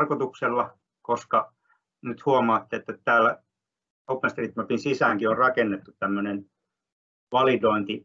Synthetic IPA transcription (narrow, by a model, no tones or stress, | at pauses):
rkot̪ukselːɑ | koskɑ | nyt̪huomɑːt̪ːeet̪ːett̪æːlːæ | opːenst̪rit̪mæpinsisæŋkiorrɑkenːet̪ːut̪t̪æmːønen | ʋɑlidoint̪i